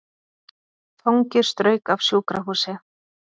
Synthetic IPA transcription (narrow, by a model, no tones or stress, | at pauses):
θawŋcɪɾ̥st̪ɾœːɥkav̥sjuːkɾaɦuːsɛ